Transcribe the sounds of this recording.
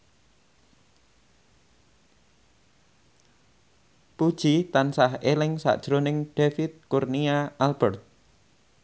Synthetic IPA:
pud̥ʒ̥it̪ansaɦelɪŋsa̰ʔd̥ʒ̥ɾonɪŋɖ̥efɪt̪̚kurniaalbɛrt̪̚

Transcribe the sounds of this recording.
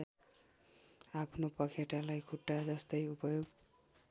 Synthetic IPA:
apʰnopʌkʰeʈalajkʰuʈːad͡zʌst̪ʌjupʌjoɡ

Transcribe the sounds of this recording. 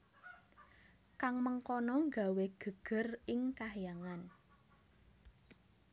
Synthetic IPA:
kaŋməŋkɔnɔŋɡa̤weɡ̥ə̤ɡ̥ə̤rɪŋkahjaŋan

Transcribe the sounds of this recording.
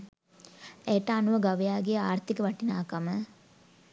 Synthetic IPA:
ejəʈəanuʋəɡaʋijaːɡejaːrt̪ikəʋɐʈinaːkamə

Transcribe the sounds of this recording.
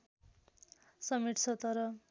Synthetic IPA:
sʌmiʈt͡sʰʌt̪ʌɾʌ

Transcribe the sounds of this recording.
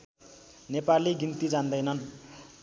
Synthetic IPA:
nepaliɡint̪id͡zand̪ʌjnʌn

